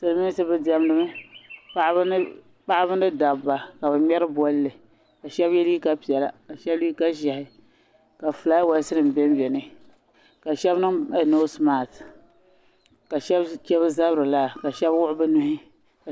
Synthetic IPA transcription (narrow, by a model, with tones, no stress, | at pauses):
sɨ˨lɨ˨mi˦sɨ˦bɨ˦dɛ˦m˦nɨ˦mɨ˦pa˦ʔbn˦ | k͡pa˦ʔa˦bɨ˦nɨ˦da˨bːa˨ka˨bɨ˨mɛ˦ɾɨ˦bɔ˦lːɨ˨ | ka˨ʃɛ˦bjɛ˦li˦ka˦pi˨ɛ˨la˨ka˨ʃɛ˦bli˦ka˦ʒɛ˨hɪ˨ | ka˨fɨ˨la˨˦wa˨˦sɨ˦nɨ˨m˨bɛ˦m˦bɛ˨nɨ˦ | ka˨ʃɛ˦bnɨ˦ŋɛ˦˨no˦smaː˨t | ka˨ʃɛ˦bkɛ˦βɨ˦za˦bɾɨ˨la˦˨ka˨ʃɛ˦bwʊ˦ʔʊ˦bɨ˦nʊ˦hɪ˦ | ka˨